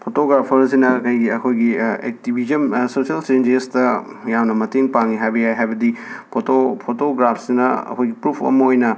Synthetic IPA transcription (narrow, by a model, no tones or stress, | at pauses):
pʰotoɡɾapʰɐɾzinɐkɐjɡiɐkʰojɡiḛk̚tibʱizɐnsosiɐlsend͡ʒestɐ | jamnɐmɐteŋpaŋiɦajbɐjajɦajbɐdipʰotopʰotoɡɾapʰsinɐɐ̰kʰojɡipɾupʰɐ̰mɐojnɐ